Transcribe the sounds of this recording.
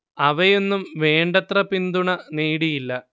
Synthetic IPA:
ɐʋɐjo̞nːumʋe̞ːɳɖɐt̪rɐpind̪uɳɐneːɽijilːɐ

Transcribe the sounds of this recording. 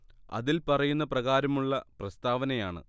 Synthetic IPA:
ɐ̰ðilpɐrɐjunːɐprɐɣaːɾɐmuɭːɐprɐst̪aːʋɐnɐjaːɳɨ̰

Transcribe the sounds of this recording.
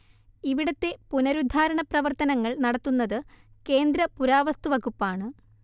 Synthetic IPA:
iʋiɽɐt̪ːe̞punɐɾud̪ʱaːɾɐɳɐprɐʋɐrt̪ɐnɐŋːɐɭnɐɽɐt̪ːunːɐðɨ | ke̞ːnd̪ɾɐpuɾaːʋɐst̪uʋɐɣupːaːɳɨ

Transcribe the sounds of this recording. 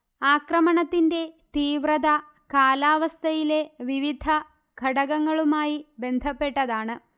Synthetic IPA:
aːkrɐmɐɳɐt̪ːinde̞t̪iːʋrɐd̪ɐ | kaːlaːʋɐst̪ʰɐjile̞ʋiʋid̪ʱɐ | ɡʱɐɽɐɣɐŋːɐɭumaːjibe̞nd̪ʱɐpːe̞ʈːɐðaːɳɨ

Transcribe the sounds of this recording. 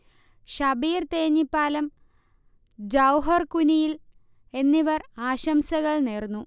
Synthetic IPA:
ɕɐbiːrt̪eːɲːipːaːlɐm | d͡ʑɐwɦɐrkunijil | e̞nːiʋɐraːɕɐmsɐɣɐɭneːrnːu

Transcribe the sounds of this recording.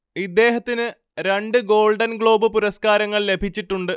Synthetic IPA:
id̪ːe̞ːɦɐt̪ːinɨ | ɾe̞ɳɖɨɡo̞ːlɖɐnɡɭo̞ːbɨpuɾɐskaːɾɐŋːɐɭle̞bʱit͡ɕːiʈːuɳɖɨ

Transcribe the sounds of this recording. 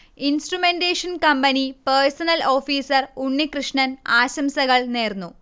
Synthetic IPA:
insʈrumendeːʂɐnkɐmbɐnipersɐnɐlo̞ːfiːsɐruɳːikrɨʂɳɐnaːɕɐmsɐɣɐɭneːrnːu

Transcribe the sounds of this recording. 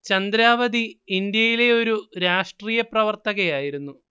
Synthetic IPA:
t͡ɕɐnd̪ɾaːʋɐd̪iind̪jɐjile̞o̞ɾuɾaːʂʈriːjɐprɐʋɐrt̪ɐɣɐjaːjiɾunːu

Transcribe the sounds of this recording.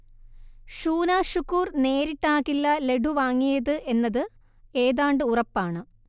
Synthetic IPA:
ʂuːnaːɕukːuːrne̞ːɾiʈːaːɣilːɐle̞ɽuʋaːŋːijɐðɨʔe̞nːɐðɨ | e̞ːðaːɳɖɨurɐpːaːɳɨ

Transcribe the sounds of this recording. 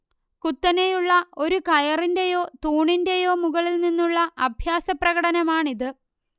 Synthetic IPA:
kut̪ːɐne̞juɭːɐo̞ɾukɐjɐrinde̞jo̞ːt̪uːɳinde̞jo̞ːmuɣɐɭilninːuɭːɐʔɐbʱjaːsɐprɐɣɐɽɐnɐmaːɳiðɨ

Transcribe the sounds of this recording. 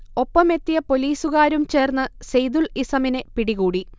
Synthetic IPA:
o̞pːɐme̞t̪ːijɐpo̞liːsuɣaːɾumt͡ɕe̞ːrnːɨsejd̪ulisɐminepiɽiɣuːɽi

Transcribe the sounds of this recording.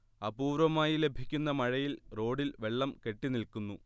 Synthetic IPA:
ɐbuːɾʋɐmaːjile̞bʱikʲːunːɐmɐɻɐjilro̞ːɽilʋe̞ɭːɐmke̞ʈːinilkunːu

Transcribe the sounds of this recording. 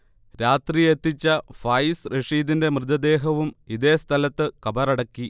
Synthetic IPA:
ɾaːt̪rie̞t̪ːit͡ɕːɐfɐjsreʂiːðinde̞mrɨd̪ɐd̪e̞ːɦɐʋumiðe̞ːst̪ʰɐlɐt̪ːɨkɐbɐrɐɽɐkːi

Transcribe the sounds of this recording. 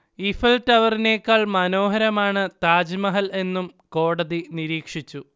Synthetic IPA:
ifɐltɐʋɐrine̞ːkːaːɭmɐno̞ːɦɐɾɐmaːɳɨt̪aːd͡ʑimɐɦɐle̞nːumko̞ːɽɐðiniɾiːkʂit͡ɕːu

